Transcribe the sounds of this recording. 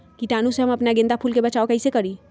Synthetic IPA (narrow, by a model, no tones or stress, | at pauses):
kiʈaːnũseɦɐmɐpnaɡɪ̃nd̪apʰuːlkebɐt͡ʃaːokɛɪsekɐɾiː